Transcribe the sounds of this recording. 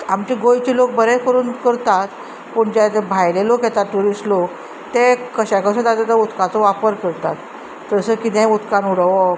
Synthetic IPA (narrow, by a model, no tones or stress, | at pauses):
amt͡ɕiɡojt͡ɕilok̚bəɾekəɾuːnkəɾt̪at̪ | puɳd͡ʑat̪bʱajlelokjɛt̪at̪ʈuɾisʈlok | t̪ekəɕakəsə̃t̪ad͡zat̪əut̪kat͡sɔʋapəɾkəɾt̪at̪ː | əsəkit̪ẽut̪kanuɽʋɔ